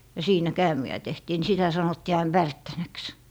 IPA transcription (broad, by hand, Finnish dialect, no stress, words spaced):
jɑ siːnæ kæːmiæ tehtiː ni sitæ sɑnotːiː ɑin ʋærtːænæks